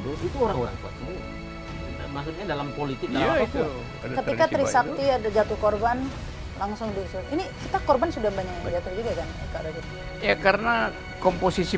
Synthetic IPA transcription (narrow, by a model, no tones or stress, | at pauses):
doit̪uoɾaŋoɾa̰ŋt̪ua̰t̪̚sinḭ | mas̬ut̪̚ɲadalampolit̪ɪkdalmaat̪u | kət̪ikat̪ɾisakk̚t̪iadd͡ʒat̪uhkorban | laŋsʊŋdisʊtinikit̪akɔrbansudahmbaɲak̚ɲamad͡ʒat̪ʊd͡ʒuɡakankadaɡit̪ | jakaɾəna | komposisi